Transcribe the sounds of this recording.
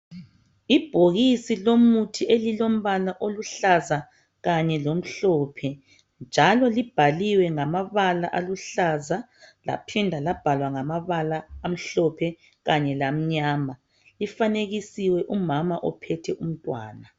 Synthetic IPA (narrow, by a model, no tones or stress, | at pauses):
ib̥ʱoɣisilomutʰiʔelilom̩βalaʔoluɬaza | ɣaɲɛlom̩ɬɔpʰɛ | nd͡ʒʱalɔlib̥ʱaliwɛŋamaβala̰ʔaluɬaza | la̰pʰɛndʱalab̥ʱalwaŋamaβalaːm̩ɬɔpʰɛ | ɣaɲɛlam̩ɲaːma | lifaneɣisiwɛʔumamaʔɔpʰɛtʰɛʔum̩tʼwa̰ːna